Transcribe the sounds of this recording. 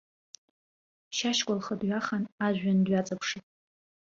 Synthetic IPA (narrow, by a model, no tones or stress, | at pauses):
t͡ʃʰaʃkʷʼalχədɥaχanaʒʷᶣandɥat͡sʼapʰʂitʼ